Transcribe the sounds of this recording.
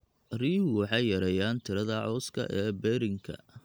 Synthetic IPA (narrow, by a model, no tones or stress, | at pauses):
riːwɑħɑjːɐɾɛjaːnt̪ʰɪɾɐðɐʕɔːskʰɐ̰ʔɛːbɛːɾɪŋkʰɐ̰